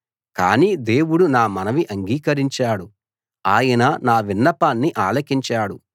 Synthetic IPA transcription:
ka̰ːniːd̪e̞ːwuɽunaːmɐnɐʋiʔɐŋɡiːkɐɾiɲt͡ʃaːɽu | aːjɐnɐnaːʋinːɐpaːnːiʔaːlɐkiɲt͡ʃaːɽu

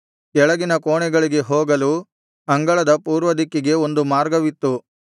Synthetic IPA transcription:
kɛɭɐɡinɐkoːɳɛɡɐɭiɡe̞ɦoːɡɐlu | ɐŋɡɐɭɐd̪ɐpuːɾʋɐd̪ikːiɡe̞o̞nd̪umaːɾɡɐʋit̪ːu

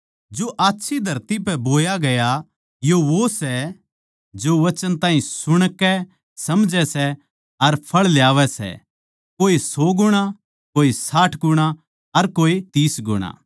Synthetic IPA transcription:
d͡ʒoːʔaːtːʃʰid̪ʱɐɾt̪ip̬ɛboːjaɡɐja | joʋosɛ | d͡ʒoʋɐt͡ʃənt̪ãːɦĩsʊɽ̃kːɛ | sɐmd͡ʒɛsɛ | ɐɾpʰɐɭljaːʋɛsɛ̰ | koːisɔːɡʊɽ̃a | koːisaːʈʰɡʊɽ̃a | ɐɾkoːit̪iːsɡʊ̰ɽ̃a̰ː

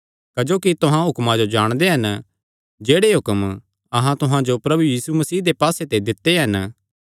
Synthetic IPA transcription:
kɐd͡ʒoːkit̪ʊɦãɦʊkmãd͡ʒod͡ʒaːɽ̃d̪eɦɐn | d͡ʒeːɽeɦʊkəm | ɐɦãt̪ʊɦãd͡ʒopɾɐbujiːsumɐsiːd̪epaːset̪ed̪ɪt̪ːeɦɐn

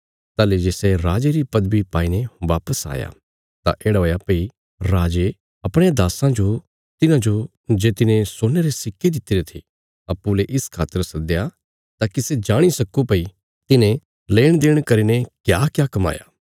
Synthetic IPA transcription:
t̪aːled͡ʒeːseɾaːd͡ʒeɾipɐd̪bipaːineʋaːpəsa̰ːja̰ | t̪ã̰ʔeːɽaoːjapei | ɾaːd͡ʒe | ɐpɽ̃ejad̪aːsãd͡ʒo | t̪ɪnãd͡ʒo | d͡ʒeːt̪ɪnẽsoːneɾesɪkːed̪ɪt̪ːɪɾet̪ʰi | ɐpːuleʔɪskʰaːt̪əɾsɐd̪ja | t̪aːkised͡ʒaːɽ̃isɐkũpɐi | t̪ɪnẽ | leːɽ̃d̪eːɽ̃kɐɾinekjaːkjaːkɐma̰ːja̰ː

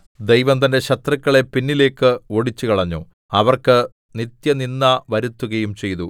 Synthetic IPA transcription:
d̪ejʋɐmt̪ɐnde̞ɕɐt̪rɐkːɐɭe̞pinːile̞ːkːɨo̞ɽit͡ɕːukɐɭɐɲːṵ | ɐʋɐrkɨ | nit̪jɐninːɐʋɐɾut̪ːuɣɐjumt͡ɕe̞jt̪u

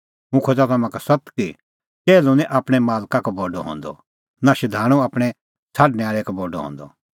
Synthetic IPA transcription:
mũkʰod͡ʒat̪ɐmãkasɐt̪ki | t͡ʃeːlũnĩʔaːpɽ̃ɛmaːlkakoboːɖo̰ɦõ̰ːnd̪ɔ̰ | naʃɐd̪ʱaːɽ̃ũaːpɽ̃ɛ | t͡sʰaːɖnɛaːɭɛkɐboːɖo̰ɦõ̰ːnd̪ɔ̰

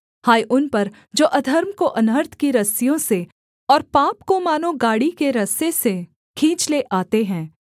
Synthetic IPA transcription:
haːjʔʊnpɐɾ | d͡ʒoːʔɐd̪ʱɐɾmkoʔɐnəɾt̪ʰkiɾɐsijõse | ɔːɾpaːpkomaːnõɡaːɽikeɾɐsese | kʰĩːt͡ʃleʔaːt̪eɦɛ̃ː

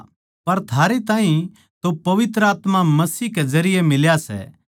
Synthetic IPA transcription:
pɐɾt̪ʰaːɾet̪ãːɦĩ | t̪opɐʋɪt̪ɾəaːt̪mamɐsiːɦkezɐɾɪjemɪljasɛ̰

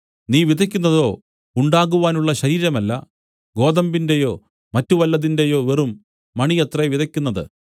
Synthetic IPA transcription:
niːʋid̪ʱɐkʲːunːɐðo̞ː | uɳɖaːɣuʋaːnuɭːɐɕɐɾiːɾɐmɐlːɐ̰ | ɡo̞ːd̪ɐmbinde̞jo̞ː | mɐtːuʋɐlːɐðinde̞jo̞ːʋerumː | ɐɳijɐt̪rɐʋid̪ʱɐkʲːunːɐðɨ̰

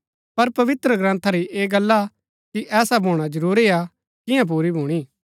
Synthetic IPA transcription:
pɐɾpɐʋɪt̪ɾəɡɾãːnt̪ʰaɾiʔeːɡɐlːa | kiʔɛːsabʱoːɽ̃ad͡ʒɐɾuːɾia | kɪ̃jãp̬uːɾibʱuːɽ̃iː

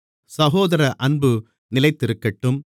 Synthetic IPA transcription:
sɐɣoːðɐɾɐʔɐnbɯ | nɪlɐɪt̪ːɪɾɯkːɐʈːɯm

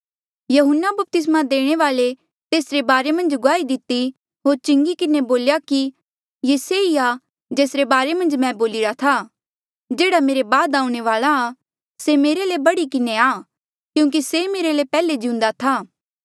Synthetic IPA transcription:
jɐɦʊnːabɐp̚t̪ɪs̬mad̪eːɽ̃eʋaːle | t̪eːsɾebaːɾemɐ̃nd͡ʒɡʊaːid̪ɪt̪ːi | ɦoːɾt͡ʃɪ̃ŋɡikɪneboːljaki | jeseia | d͡ʒeːsɾebaːɾemɐ̃nd͡ʒmɛ̃boːlɪɾat̪ʰa | d͡ʒeːɽameːɾebaːd̪aːũɽ̃eʋaːla | semeːɾelebɐɽikɪneaː | kjũːk̬isemeːɾelepɛːled͡ʒɪũnd̪at̪ʰaː

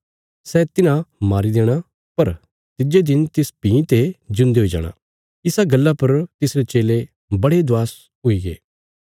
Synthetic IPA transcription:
sɛːt̪ɪnãmaːɾid̪eːɽ̃a | pɐɾ | t̪ɪd͡ʒed̪ɪnt̪ɪspĩːt̪ed͡ʒʊ̃nd̪eɦoːid͡ʒa̰ːɽ̃ã̰ː | ɪsaɡɐlːapɐɾt̪ɪsɾet͡ʃeːle | bɐɽed̪ʊaːs | ɦʊiɡḛː

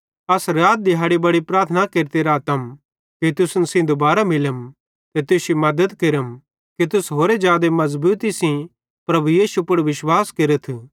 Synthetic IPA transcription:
ɐsɾaːd̪̚d̪ɪɦaːɽibɐɽipɾaːɾt̪ʰənakeːɾt̪eɾat̪ɐm | kit̪ʊsnsĩd̪obaːɾamɪləm | t̪et̪ʊsimɐd̪əd̪keɾəm | kit̪ʊsɦoːɾed͡ʒjaːd̪emɐzbuːt̪isĩ | pɾɐbujiːʃupʊɽʋɪʃwaːskeɾət̪ʰ

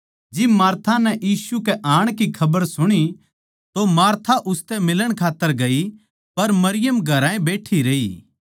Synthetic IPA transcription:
d͡ʒɪbmaːɾt̪ʰanɛjiːsukɛʔãːɽ̃kikʰɐbəɾsʊɽ̃i | t̪omaːɾt̪ʰaʔʊst̪ɛmɪləɽ̃kʰaːt̪ːəɾɡɐi | pɐɾmɐɾɪjəmɡʱɐɾãːẽbeːʈʰiɾeːiː

